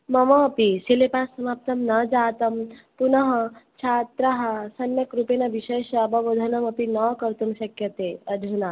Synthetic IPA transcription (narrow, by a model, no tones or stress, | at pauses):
mɐmɐːpisilepasɐmaːp̚t̪ɐmnɐd͡ʒaːt̪ɐmpunɐɦɐt͡ʃʰaːt̪ɾɐɦɐ̆sɐnːɐkɾupenɐʋiʃeʃɐbʱɐʋod̪ʱɐnɐmɐpinɐkɐɾt̪umʃɐkjɐt̪eːɐd̪ʱuna